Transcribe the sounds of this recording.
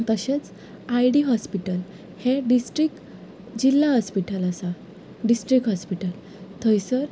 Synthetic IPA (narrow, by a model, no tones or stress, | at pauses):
t̪əɕet͡s | ajɖiɦɔspiʈəl | heɖisʈɾik | d͡ʑilːaɦɔspiʈələsa | ɖisʈɾikɦɔspiʈəl | t̪ʰəjsəɾ